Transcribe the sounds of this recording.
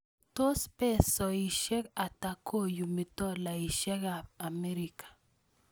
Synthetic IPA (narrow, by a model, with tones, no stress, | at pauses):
to˦spɛ˦sɔ˨i˨ʃɛ˦ka˨ta˨ko˦ju˨mi˨tɔ˦la˨i˨ʃɛ˦ka˨a˨me˦ɾi˨kḁ˨